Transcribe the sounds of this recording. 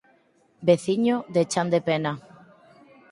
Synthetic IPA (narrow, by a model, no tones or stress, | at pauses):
beθiɲoðet͡ʃand̪epena